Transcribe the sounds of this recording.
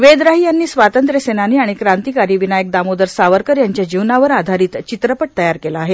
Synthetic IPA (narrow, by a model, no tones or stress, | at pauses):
ʋed̪ɾaɦiːjanːiːsʋat̪ənt̪ɾjəsenaniːaɽ̃ikɾant̪iːkaɾiːʋinajək̚d̪amod̪əɾsaʋəɾkəɾjaɲt͡ɕjad͡ʑiʋnaʋəɾad̪ʱaɾiːt̪t͡ɕit̪ɾəpəʈ̚t̪əjaɾkelaːɦe